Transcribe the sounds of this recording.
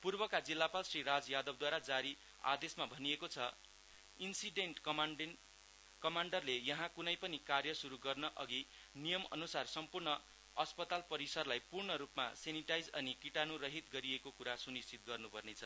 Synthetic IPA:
purbʌkad͡zilːapalsriɾad͡zjad̪ʌb̚d̪waɾad͡zaɾi | a̰d̪esmabʱʌnijekot͡sʰʌ | insiɖeɳʈk | kʌmaɳɖʌrlejʌɦãkunʌjpʌnikarjʌsuɾuɡʌrnʌʔʌɡi | nijʌmʌ̰nusarsʌmpurɳʌ | ʌspʌt̪alpʌɾisʌrlajpurɳʌɾupma̰seniʈajd͡zʌnikiʈanuɾʌɦit̪ɡʌɾiekokuɾasunist͡sʰit̪̚ɡʌrnupʌrnet͡sʰʌ

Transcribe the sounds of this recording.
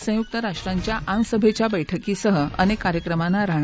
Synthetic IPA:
sə̃juk̚t̪əɾaʂʈɾaɲt͡ɕjaʔaŋsəbʱet͡ɕjabəjʈʰəkiːsəɦəənekːaɾjəkɾəmanːaɾaɳ

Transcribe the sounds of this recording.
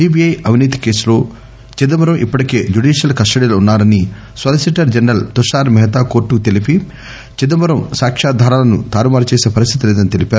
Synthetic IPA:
iːbiɐjɐʋiniːt̪i̥ke̞ːsulo̞ː | t͡ʃid̪ɐmɐɾɐmʔipːɐʈike̞ːd͡ʒuɖiːʃjɐlkɐsʈɐɽiːloːunːaːɾɐni | sɐlisiʈɐɾd͡ʒɐnɐlt̪uʂaːɾmɛɦɐt̪aːko̞ːɾʈːukt̪elipi | t͡ʃid̪ɐmɐɾɐmsaːkʂaːd̪ʱaːɾaːlɐnṵt̪aːɾumaːɾt͡ʃeːseːpɐɾis̬t̪ʰi̥t̪ilɛːd̪ɐnit̪elipaːɾu

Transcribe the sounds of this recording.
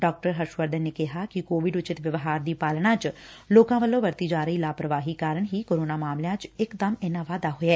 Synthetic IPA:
ɖɔːk̚ʈəɾɦəɾʃʋəɾd̪əːnːeːkɪɦaːkɪkoːʋɪɖʊt͡ʃɪt̪ʋəʋɦaːɾd̪iːpaːlɳãːt͡ʃloːkãːʋəlːõːʋəɾt̪iːd͡ʒaːɾəiːlaːpɾəʋaːɦiːkaːɾəɳɦiːkoːɾoːnaːmaːmlɪjãːt͡ʃɪkd̪əmɪnãːʋaːd̪aːɦoɛː

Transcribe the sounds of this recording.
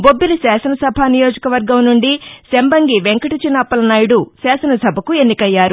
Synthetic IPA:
bo̞bːilusaːsɐnɐsɐbʱanijo̞ːd͡ʒɐkɐʋɐɾɡɐmnuɳɖisembɐŋɡiʋeŋkɐʈit͡ʃinːɐpːɐlɐnaːjiɽusaːsɐnɐsɐbʱɐkue̞nːikɐjːaːɾu

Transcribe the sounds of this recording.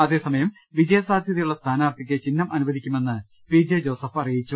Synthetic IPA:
ɐðe̞ːsɐmɐjɐm | ʋid͡ʑɐjɐsaːd̪ʱjɐðɐjuɭːɐst̪ʰaːnaːrt̪ʰik̬ʲːet͡ɕinːɐmʔɐnubɐðikʲːume̞nːɨ | piːd͡ʑɐd͡ʑo̞ːsɐfɐrijit͡ɕːu

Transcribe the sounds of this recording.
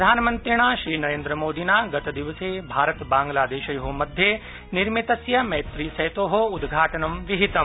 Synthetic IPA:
d̪ʱaːnmɐnt̪ɾiɳ̃aːʃɾiːnɐɾẽːnd̪ɾəmoːd̪inaːɡɐt̪ɐd̪iʋɐseːbʱaːɾɐt̪bãːŋɡlaːd̪eːʃɐjɦomɐd̪ʱje | niɾmit̪ɐsjɐmɐjt̪ɾiːsɐjt̪oːɦoud̪ɡʱaːʈɐnɐmʋiɦit̪ɐ

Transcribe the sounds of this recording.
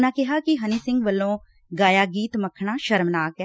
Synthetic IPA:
nãːkɪɦaːkɪɦəniːsɪ̃ŋɡʋəlːõː | ɡaːjaːɡiːt̪məkʰɳaːʃəɾmnaːkɛː

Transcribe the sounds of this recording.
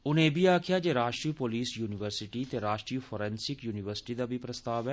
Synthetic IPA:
ʊnẽːbʱiːaːkʰɪjaːd͡ʒeːɾaːʃʈɾiːpoːliːsjuːnɪʋəɾsɪʈiːt̪eːɾaːʃʈɾifʰoːɾɛ̃ːnsɪkjuːnɪʋəɾsɪ̥ʈiːd̪aːbʱipɾəst̪aːʋɛː

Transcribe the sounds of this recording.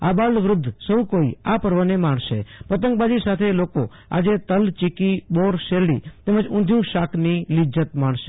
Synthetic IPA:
abaɭʋɾʊd̪ʱːsəũkoiapəɾʋənemaɳ̃ʃḛpət̪əŋk̚bad͡ʒisat̪ʰeloko | a̰d͡ʒet̪əlt͡ʃikiboɾʃeɾɭḭt̪eməd͡ʒʊ̃nd̪ʱjũʃakʰnilɪd͡ʒət̪maɳʃe̥

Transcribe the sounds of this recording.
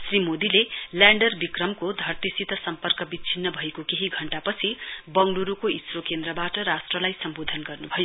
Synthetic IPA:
srimod̪ilelaɳɖʌrbikrʌmkod̪ʱʌrt̪isit̪ʌsʌmpʌrkʌbit͡sʰinːʌbʱʌekokeɦiɡʱʌɳʈapʌt͡sʰibʌŋluɾukoisrokend̪rʌbaʈʌɾasʈrʌlajsʌmbod̪ʱʌnɡʌrnubʱʌjo

